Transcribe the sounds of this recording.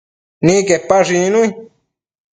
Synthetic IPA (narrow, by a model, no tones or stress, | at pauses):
nĩkepaʐĩnũi